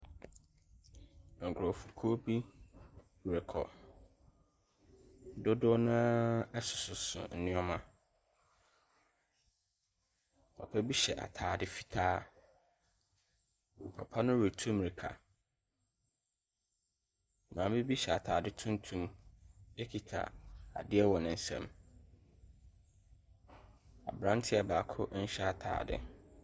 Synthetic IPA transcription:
ŋ̩˨kʰɾo˨fu̥˨kʰo˦bi˦˨ | ɾe˨kʰɔ̰˨ | dʊ˦dʊ˦nã˦ɛ˦sʊ˨sʊ˨sʊ̰˨n̩˨nɪ̃˦ɔ˦mã˦ | ɔ̰˨pʰɛ˦bi˦ɕɛ˨ʔa̰˨tʰaː˨dɪ˦fi˦tʰaː˦˨ | pʰa˨pʰa˦nʊ̃˦ɾu˨tʰũ˦mɾi˨kʰa̰˨ | nãː˨˦bɪ˦bi˦ɕɛ˨a˨tʰaː˨dɪ˦tʰʊ̃˦ntʰũ˦m | e˦kʰi˨tʰa̰˨a̰˨dɪ˦ɛ˦wɔ˨nɪ̃˨n̩˨sɛ̰̃˦m | a̰˨bɾã˦n˦tʰɪ˦a˨baː˨kʰʊ˦ʔn̩˦ɕɛ˦a˨tʰa̰ː˨dɪ̰˨

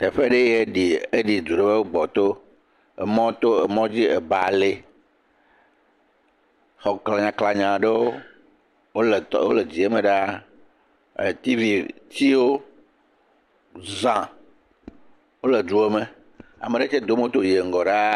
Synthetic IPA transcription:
t̪ɛ˨ɸe˦ɖe˦je˦ɖi˨e˦ɖi˨d̪u˨ɖe˦be˦wo˦ɡ͡bɔ˨t̪o˦ | ḛ˨mɔ̃˦t̪o˦e˨mɔ̃˦d͡ʑi˦ḛ˨ba̰˨le˦ | xɔ˨kla˨ɲã˨kla˨ɲã˨ɖe˦wo˦ | wo˦le˨wo̰˦le˨d͡ʑi˨e˦me˨ɖa˦ | e˨t̪i˦vi˨t͡ɕi˦wo˦ | zã˨ | wo˦le˨d͡ʒu˦e˦mẽ˨ | a̰˨mẽ˨ɖe˦t͡ʃɛ˦d̪o˦mẽ˦o˦t̪o˦je˨ŋ̩˨ɡɔ˨ɖa˦

